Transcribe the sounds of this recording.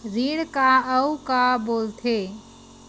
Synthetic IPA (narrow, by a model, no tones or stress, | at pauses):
ɾiːɽkaəukaboːlt̪ʰe